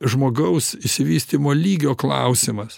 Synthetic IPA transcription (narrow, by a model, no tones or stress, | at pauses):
ʒmoːɡɐʊsɪsʲɪʋʲiːsʲt̪ʲiːmoːlʲiːɡʲoːklˠɐʊsʲɪmɐs